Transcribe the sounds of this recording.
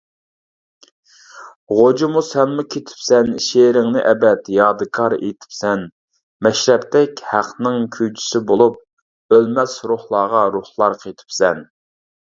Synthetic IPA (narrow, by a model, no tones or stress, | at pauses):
ʁod͡ʒimusɛnmukʲʰet̪ʰɪ̥psɛnʃeɾɪŋnɪʔɛbɛt̪jɑːd̪ɨkʰɑɾḛt̪ʰɪ̥psɛn | mɛʃɾɛpt̪ɛkʲhæqʰnɨŋkʲʰyjt͡ʃʰi̥sɪbolˠup̚ | ølmɛsɾuhlˠɑːʁɑɾuhlˠɑɾqʰet̪ʰɪ̥psɛn